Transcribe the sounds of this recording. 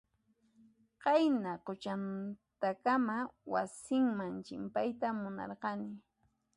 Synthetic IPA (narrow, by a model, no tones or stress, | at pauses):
qɑjnaqʊt͡ʃant̪akamawa̰sɪŋmaŋt͡ʃɪmpajt̪amʊnɑ̰ɾqɑnɪ